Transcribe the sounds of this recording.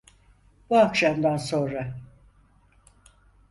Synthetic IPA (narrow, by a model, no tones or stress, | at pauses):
b̥uakʃamd̪anso̞nɾa